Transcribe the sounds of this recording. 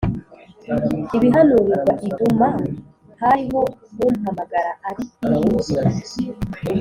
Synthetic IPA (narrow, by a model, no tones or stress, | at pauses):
iβiɦanuɾizwaʔiduma | haɾiɦo̞omuɦamaɡaɾaʔaɾii